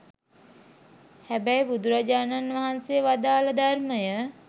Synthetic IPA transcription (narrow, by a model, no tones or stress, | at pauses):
hæbæjbud̪uɾad͡ʒaːnanʋaɦansejəʋad̪aːləd̪arməjə